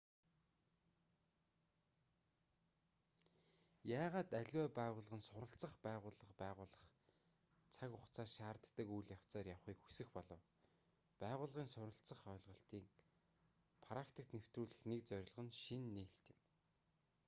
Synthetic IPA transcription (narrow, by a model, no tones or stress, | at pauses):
jaːʁaːt̪æɮʲwæːpæːʁʊːɮʁə̆nsʊɾə̆ɬt͡sə̆χpæːʁʊːɮə̆χpæːʁʊːɮə̆χ | t͡sʰakʊχt͡sʰaːʃaːrt̪ːə̆kujɮjaw̥t͡sɔːrjawχiːkxu̥sɘ̆xpɔɮɞ̆w | pæːʁʊːɮʁiːnsʊɾə̆ɬt͡sə̆χœːɮʁɞ̆ɬt̪iːk | pʰaɾakt̪ʰə̆k̚t̪new̥t̪ruːɮɘ̆xneːk̚t͡sœɾʲɪ̆ɮʁə̆nʃinːeːɬt̪ɪ̆m